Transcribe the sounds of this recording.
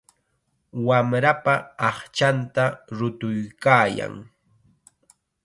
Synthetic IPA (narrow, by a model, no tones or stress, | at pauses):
wamɾapaːχt͡ʃant̪aɾʊt̪ʊjkaːja̰ŋ